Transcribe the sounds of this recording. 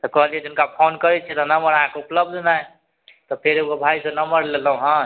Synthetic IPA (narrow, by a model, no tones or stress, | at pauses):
t̪ɔkəɦəlijɛd͡ʒunkapʰonkəɾɛt͡ʃʰɛt̪ɔnəməɾaɦãkeupləb̚d̪ʱnaj | t̪ɔpʰeɾeɡobʱaisenəməɾleləɦũɦə̃